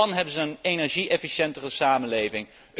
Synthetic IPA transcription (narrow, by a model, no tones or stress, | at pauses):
ɑnɦɛbənzəːnenɛɹʒiʔɛfiʃɛntərəsaːmənlejvɪŋ